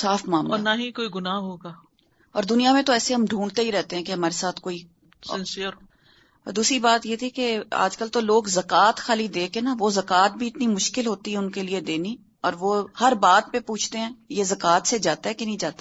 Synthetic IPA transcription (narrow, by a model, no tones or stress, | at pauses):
saːfʰmaːmɔːnaɦĩkoːiɡʊnaːɦoːɡaː | ɔːɾd̪ʊnijamẽt̪oɛːseɦɐmɖʱũːɳɖt̪eɦiɾɛɦt̪eɦɛ̃ːkeɦɐmaːɾesaːt̪ʰkoːi | sɪnsɪjəɾ | ɔːɾd̪uːsɾibaːt̪jet̪ʰikea̰ːd͡ʒkəlt̪oloːɡzɐkaːt̪xaːlid̪eːkenaʋozɐkaːt̪̚bʱiɪt̪nimʊʃkɪlɦoːt̪iɦɛʊnkelied̪eːni | ɔːɾʋohɐɾbaːd̪̚pepuːt͡ʃʰt̪eɦɛ̃ːjezɐkaːt̪sed͡ʒaːt̪aɦɛkenɐ̃ɦĩd͡ʒaːt̪a